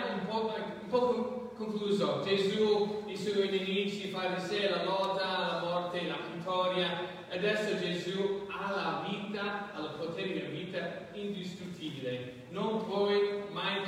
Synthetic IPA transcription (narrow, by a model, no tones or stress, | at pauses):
umpɔumpɔkkoŋkluːzod͡ʒezuisuenenit͡ʃifaɾiselalɔt̪ːalamɔrt̪elapit̪ʰːɔɾja | ad̪ɛsːod͡ʒezualaviːt̪aalpot̪eɾed̪elaviːt̪aind̪ist̪ɾut̪ʰːiːbile | nonpwɔjmaj